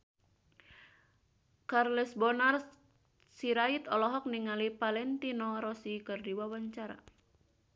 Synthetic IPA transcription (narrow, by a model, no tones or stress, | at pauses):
karlɛsbɔnar | siɾait̪ɔlɔɦɔk̚niŋalipalɛnt̪inɔɾɔsikərdiwawaɲt͡ʃaɾa̰